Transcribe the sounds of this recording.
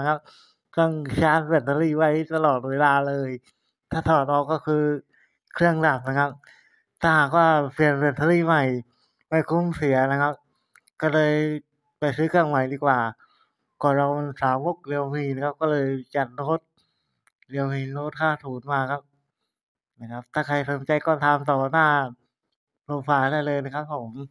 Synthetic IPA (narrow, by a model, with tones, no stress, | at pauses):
kʰa˦˥p̚ | sɯ˧˩əŋsaː˧˥t̚be˧˩t̪̚ʰa˧liː˧˩wa˧˥˩jt̪a˧lɔː˨˩t̪̚weː˧laː˧lɤː˧j | t̪ʰaː˧˩t̪ʰa˧ɔː˨˩t̪ʔɔː˧˩kːɔː˥˩kʰɯː˧ | kʰɾɯ˥˩əŋda˨˩p̚na˧˩kʰa˦˥p̚ | t̪ʰaː˧˩haː˨˩k̚waː˧˩pʰi˨˩ənbe˧˩t̪̚ʰa˧liː˧˩ma˧˩j | ma˧˩jkʰu˧˥˨msi˨˦ɐna˧˩kʰa˦˥p̚ | kɔː˧˩lɤː˧j | pa˨jsɯː˦˥kʰɯ˧˥˩əŋma˨˩jdiː˧˩k̚waː˨˩ | kɔː˧˩ɾa˧wma˧nsaː˨˦wo˧˥˩k̚li˧ə˧wmiː˧˩na˧ŋkʰp̚kɔː˥˩lɤː˧jt͡ɕa˨˩n̚loː˦˥˩t̪̚ | li˧˩ə˨wmiː˧˩loː˦˥t̪̚kʰaː˧˩t̪ʰuː˨˦nmaː˧kʰa˦˥p̚ | ma˧˦kʰa˦˧˥p̚t̪ʰaː˧˩kʰa˧˩jso˨˧˦ŋt͡ɕa˧jkɔː˧˥˩t̪ʰaː˧mt̪ɔː˨˩naː˧˥˩ | lo˧˩m̚faː˧a˧˩da˧˩jlɤː˧jna˧˩kʰa˦˥p̚ʰːo˨˩˨m